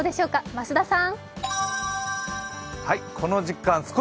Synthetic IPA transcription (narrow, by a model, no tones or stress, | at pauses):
d̪e̞ɕo̞ːkamasɨd̪asãŋ | haikʰo̞noʑikːãɰ̃sɨ̥ko